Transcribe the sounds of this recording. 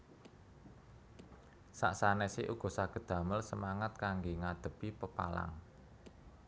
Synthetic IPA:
sa̰ʔsanɛsɪʔuɡ̥ɔ̤saɡ̥ə̤d̪̥ä̤məlsəmaŋət̪̚kaŋɡeŋad̪̥ə̤pipəpa̰la̰ŋ

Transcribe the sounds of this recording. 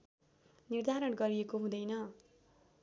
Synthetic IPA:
nird̪ʱaɾʌɳɡʌɾiekoɦũd̪ʌjnʌ

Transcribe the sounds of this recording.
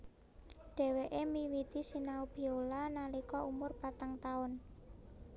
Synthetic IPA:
ɖ̥ɛ̤weʔemiwit̪isinaub̥i̤olanalikɔʔumʊrpat̪aŋt̪aʊn

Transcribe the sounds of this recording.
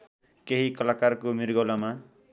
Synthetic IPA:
keɦikʌlakarkomirɡʌlama

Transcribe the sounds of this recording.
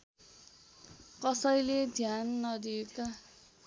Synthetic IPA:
kʌsʌjled̪ʱjanːʌd̪ieka

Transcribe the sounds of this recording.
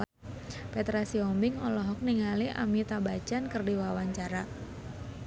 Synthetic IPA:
pɛt̪ɾasiɔmbɪŋɔlɔɦɔk̚niŋaliʔa̰mit̪abad͡ʒankərdiwawaɲt͡ʃaɾa

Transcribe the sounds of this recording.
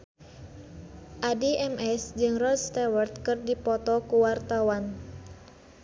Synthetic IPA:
ʔadiʔɛmɛsd͡ʒɨŋrɔlst̪ɛwərt̪̚kɨrdipɔt̪ɔkuwart̪awan

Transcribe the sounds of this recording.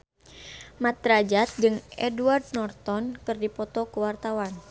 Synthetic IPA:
mat̪ɾad͡ʒat̪̚d͡ʒɨŋɛduard̚nɔrt̪ɔnkɨrdipɔt̪ɔkəwart̪awan

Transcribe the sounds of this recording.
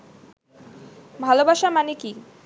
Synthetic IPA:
bʱalobaʃamaneki

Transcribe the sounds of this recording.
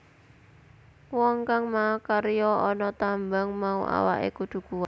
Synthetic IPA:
wɔŋkaŋmakaɾjɔɔnɔt̪ambaŋmaṵʔa̰wa̰ʔḛkud̪̥ṳɡ̥uwa

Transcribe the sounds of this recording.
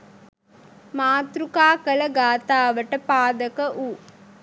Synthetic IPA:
maːt̪ɾukaːkɐlɐɡaːt̪aːʋɐʈːɐpaːd̪ɐkɐʔuː

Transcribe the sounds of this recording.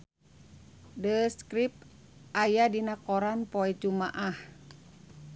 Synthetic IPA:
dəskɾip̚ | ʔajadinakɔɾanpɔɛt͡ʃumaʔah

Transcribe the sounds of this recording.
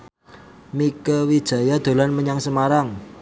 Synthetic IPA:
mikəwid̥ʒ̥a̤jad̪̥o̤lanməɲaŋsəmaɾaŋ

